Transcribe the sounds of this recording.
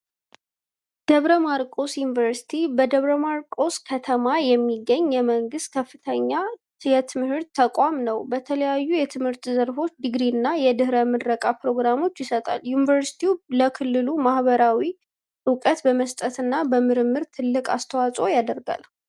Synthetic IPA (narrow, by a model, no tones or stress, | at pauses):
d̪̥əβɾəmaɾkʼo̞sjunivəɾsi̥t̪ʰibəd̪əβɾəmaɾkʼo̞skʰət̪ʰəmajɛmːiɡːəɲːjɛməŋɡɨst̪̚kʰəfːɨt̪ʰəɲːa | jɛt̪ʰɨmhɨɾt̪ʰːəkʼamnəwbət̪ʰələjajːujɛt̪ʰɨmhɨɾt̪zəɾfo̞t͡ʃːd̪ɨɡɾinːajɛd̪ɨhɾəmɨdɾəkʼapɾo̞ɡɾamo̞t͡ʃːjɪsət̪ʼa̰ljunivəɾsi̥t̪ʰiuləkʰɨlːɨlumahβəɾawi | ʔɨkʼət̪bəməst̪ʼət̪ɨnːabəmɨɾɨmːɨɾt̪ʰɨlːɨkʼa̰st̪ʰəwasʼo̞jad̪əɾɡa̰l